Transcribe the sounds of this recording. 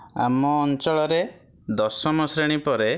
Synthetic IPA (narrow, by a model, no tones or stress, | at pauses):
a̰mɔːnt͡ʃɔɭɔɾe | d̪ɔsɔmɔsɾeɽ̃ipɔɾe